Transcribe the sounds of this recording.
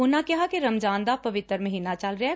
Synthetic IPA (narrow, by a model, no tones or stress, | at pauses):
ʊnakɐɦakeɾɐmd͡ʒãːnd̪apɐʋɪt̪əɾmɐɦiːnat͡ʃalɾɐɦɛ